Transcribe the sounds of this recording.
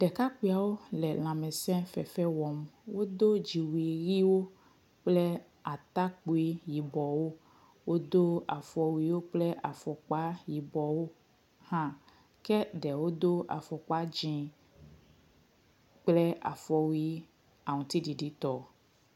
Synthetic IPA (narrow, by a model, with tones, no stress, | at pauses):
ɖɛ˨ka˦ki˦˨a˨wo˦lɛ˨l̃ã˨mɛ̃˨sɛ̃˦fɛ˨fɛ˦wɔ˨mwo˦d̪o˦d͡ʒi˨wi˨ɣi˦wo˦ | k͡plɛ˦ | a˨t̪a˦k͡pu˦i˦ji˨bɔ˨wo˦ | wo˦d̪o˦a˨fɔ˨wi˦˨˦wo˦k͡plɛ˦ʔa˨fɔ˨k͡pa˦ji˨bɔ˨wo˦ | hã˦ | kɛ˦ɖɛ˨wo˦d̪o˦a̰˨fɔ˨k͡pa˦d͡ʒĩ˨ | k͡plɛ˦a̰˨fɔ˨wi˦ | a˨ŋũ˨t̪i˦ɖi˨ɖi˦t̪ɔ˨